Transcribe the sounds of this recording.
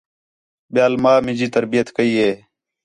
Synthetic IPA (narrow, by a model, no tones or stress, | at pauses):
ɓjaːlmaːmɪ̃d͡ʒiːt̪əɾbijət̪kəiːɦeː